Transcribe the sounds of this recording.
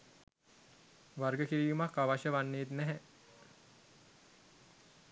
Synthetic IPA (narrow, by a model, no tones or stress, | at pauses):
ʋarɡəkiɾiːjumakːaʋaʃəʋanːeːt̪næɦæ